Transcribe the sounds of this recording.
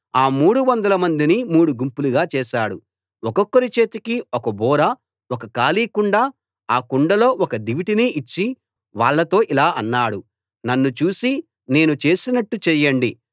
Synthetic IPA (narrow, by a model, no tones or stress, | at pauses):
aːmuːɽuʋɐnd̪ɐlɐmɐnd̪inimuːɽuɡumpuluɡaːt͡ʃɛːʃaːɽṵ | ɔkɔkːɐɾit͡ʃe̞ːt̪ikiɔkɐbɔːɾɐ | ɔkɐkaːliːkuɳɖaː | aːkuɳɖɐlo̞ːɔkɐd̪iʋiʈiniʔːt͡ʃːi | ʋaːɭːɐt̪o̞ːʔilaːʔɐnːaːɽu | nɐnːut͡ʃuːsi | ne̞ːnut͡ʃe̞ːsinɐʈːut͡ʃɛjɐɳɖi